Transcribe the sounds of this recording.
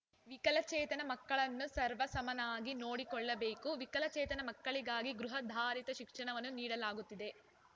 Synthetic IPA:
ʋikɐlɐt͡ʃɛːt̪ɐnɐmɐkːɐɭɐnːusɐɾʋɐsɐmɐnaːɡino̞ːɽikɔɭːɐbeːkuʋikɐlɐt͡ʃɛːt̪ɐnɐmɐkːɐɭiɡaːɡiɡɾuɦɐd̪ʱaːɾit̪ɐʃikʂɐɳɐʋɐnːuniːɽɐlaːɡut̪ːid̪e̞

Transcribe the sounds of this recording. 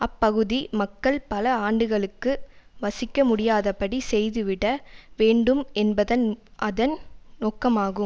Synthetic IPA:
ɐpːɐɣɯðimɐkːɐɭpɐlɐaːɳɖɯɣɐɭɯkːɯʋɐsɪkːɐmʊɽɪjaːðɐpːɐɽisɛjðɯʋɪɽɐʋeːɳɖɯmɛnbɐðɐnʔɐðɐnnoːkːɐmaːɣɯm

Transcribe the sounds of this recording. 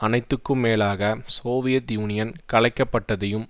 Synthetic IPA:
ɐnɐɪt̪ːɯkːɯmeːlaːɣɐsoːʋɪjɐt̪juːnɪjɐnkɐlɐɪkːɐpːɐʈːɐðɐjɯm

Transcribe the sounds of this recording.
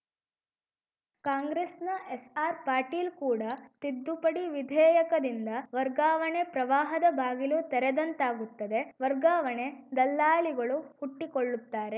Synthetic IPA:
kaːŋɡɾesnɐʔesaːɾpaːɾʈiːlkuːɽɐt̪id̪ːupɐɽiʋid̪ʱɛːjɐkɐd̪ind̪ɐʋɐɾɡaːʋɐɳe̞pɾɐʋaːɦɐd̪ɐbʱaːɡiluːt̪ɛɾɛd̪ɐnt̪aːɡut̪ːɐd̪e̞ʋɐɾɡaːʋɐɳe̞d̪ɐlːaːliɡɐɭuhuʈːikoɭːut̪ːaːɾe̞

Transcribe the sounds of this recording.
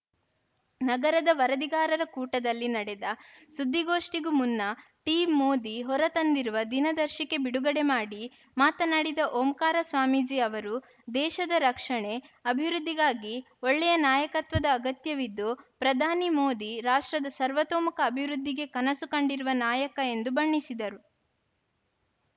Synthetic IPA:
nɐɡɐɾɐd̪ɐʋɐɾɐd̪iɡaːɾɐɾɐkuːʈɐd̪ɐlːinɐɽɛd̪ɐsud̪ʱːiɡoːʂʈiɡumunːɐ | ʈiːmːoːd̪iɦɔɾɐt̪ɐnd̪iɾuʋɐd̪inɐd̪ɐɾʃike̞biɽuɡɐɽe̞maːɽi | maːt̪ɐnɐɽid̪ɐʔoːmkaːɾɐsʋaːmid͡ʒiːɐʋɐɾu | d̪ɛːʃɐd̪ɐɾɐkʂɐɳe̞ɐbʱiʋɾud̪ːiɡaːɡi | ɔɭːɛjɐnaːjɐkɐt̪ʋɐd̪ɐːɡɐt̪jɐʋid̪ːupɾɐd̪ʱaːnimoːd̪iɾaːʂʈɾɐd̪ɐsɐɾʋɐt̪oːmɐkɐːbʱiʋɾud̪ʱːiɡe̞kɐnɐsukɐɳɖiɾuʋɐnaːjɐkɐe̞nd̪ubɐɳːisid̪ɐɾu

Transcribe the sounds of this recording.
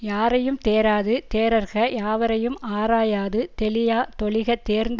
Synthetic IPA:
jaːɾɐjɯmt̪eːɾaːðɯt̪eːɾɐɾɣɐjaːʋɐɾɐjɯmʔaːɾaːjaːðɯt̪ɛlɪjaːt̪ɔɭɪɣɐt̪eːɾnd̪

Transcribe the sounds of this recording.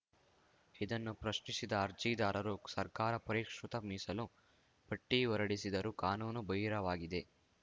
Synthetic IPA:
id̪ɐnːupɾɐʃnisid̪ɐːɾd͡ʒiːd̪aːɾɐɾusɐɾkaːɾɐpɐɾiːkʂut̪ɐmiːsɐlu | pɐʈːiʋɔɾɐɽisid̪ɐɾukaːnuːnubɐjɾɐʋaːɡid̪e̞

